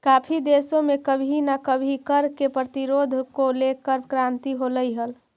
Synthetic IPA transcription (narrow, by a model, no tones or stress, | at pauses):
kapʰid̪esõmekəbʱinakəbʱikəɾkepɾət̪iɾod̪ʱkolekəɾkɾant̪iɦoləjɦəl